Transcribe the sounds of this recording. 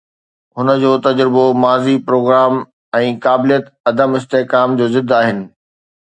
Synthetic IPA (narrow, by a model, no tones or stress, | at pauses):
hʊnə̆d͡ʑoːt̪ɐd͡ʑɾɪbomaːzipɾoːɡɾaːm | ɛ̃ːkaːbɪlijət̪ɐd̪əmɪst̪eɦkaːmd͡ʑoːzɪd̪ʱːaːɦɪnɪ̆